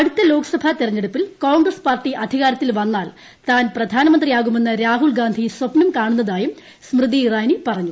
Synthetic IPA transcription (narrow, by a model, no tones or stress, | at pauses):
ɐɽut̪ːɐlo̞ːkɐ̥sɐbʱat̪irɐɲːeɽupːilkoːɳɡrɐspaːrʈːiʔɐd̪ʱiɣaːɾɐt̪ːilʋɐnːaːl | t̪aːnprɐd̪ʱaːnɐmɐnd̪rijaːɣume̞nːɨɾaːɦuɭɡaːnd̪ʱiswɐpnɐmkaːɳunːɐðaːjum | smrɨd̪iːraːjnipɐrɐɲːu